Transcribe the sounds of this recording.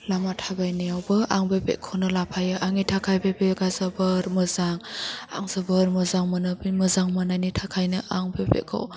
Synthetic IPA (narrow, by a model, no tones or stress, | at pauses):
lamatʰabajniawbɯʔaŋbebḛkʰownɯlapʰajɯʔaŋitʰakʰajbebeɡazabɯɾmɯzaŋa̰ŋzabɯɾmɯzaŋmɯnɯbimɯzaŋmɯnajnitʰakʰajnɯʔaŋbebḛkʰa̰w